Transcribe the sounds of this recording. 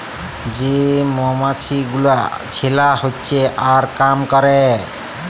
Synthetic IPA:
d͡ʒemɔmat͡ʃʰiɡulat͡ʃʰilahotːsʰeʔaɾkamkɔɾɛ

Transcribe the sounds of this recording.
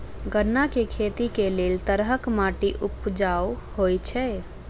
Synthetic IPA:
ɡəɾnakekʰet̪ikelelt̪əɾɦəkmaʈiʔupd͡ʒaw | hojt͡ʃʰɛ

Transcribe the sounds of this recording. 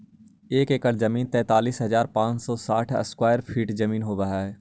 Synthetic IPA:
eːkeːkəɾzɐmiːnt̪ɛ̃ːt̪aːliːsɦɐzaːɾpãːt͡ʃsɔːsaːʈʰɐ̰skwaːjəɾpʰiːʈd͡ʒɐmiːnɦoːbaɦaɦɛː

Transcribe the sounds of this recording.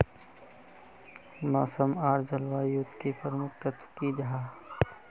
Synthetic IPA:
maːsəmaːɾd͡ʒɐlwaːjut̪kipəɾmʊkt̪ət̪wkid͡ʒɦaː

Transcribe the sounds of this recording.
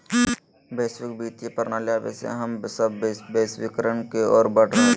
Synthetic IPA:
beːsʋɪk̚biːt̪epəɾnaːljaːʋḛsḛɦɐmbsəbbeːswɪkəɾənkeɔːɾbəʈa

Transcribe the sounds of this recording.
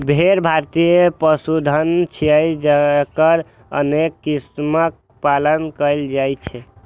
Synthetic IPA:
bʱeɾbʱaɾt̪ijəpəsud̪ʱənt͡ʃʰiəjd͡ʒəkəɾ | ə̰nekːismək̚ | palənkəjld͡ʒajt͡ʃʰɛ

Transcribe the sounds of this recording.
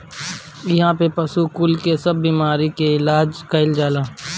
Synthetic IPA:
ɐɦãːpepɐsukʊlkesɐbːiːmaːɾikeɪlaːd͡ʒkɐɪld͡ʒaːlaː

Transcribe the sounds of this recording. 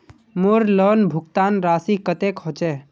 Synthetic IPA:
moɾlɔnbʱukt̪anɾasikət̪ekɦot͡ʃɛ

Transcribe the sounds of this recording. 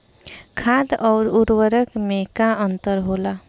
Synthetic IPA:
kʰad̪ɔːɾuɾwəɾəkmẽkaənt̪əɾɦoːla

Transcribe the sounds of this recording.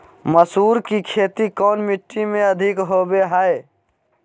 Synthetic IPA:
məsuːɾkikʰeːt̪ikɔːnmɪʈːimẽɐd̪ʱɪkɦoːbeɦaːe

